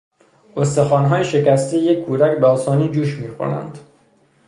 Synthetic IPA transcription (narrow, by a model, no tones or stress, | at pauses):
ost̪e̞xɒːnɦɒːjeʃe̞kæst̪ejekʰːuːd̪ækbeɒːsɒːniːd͡ʒuːʃmiːxo̰næ̰nd̪̥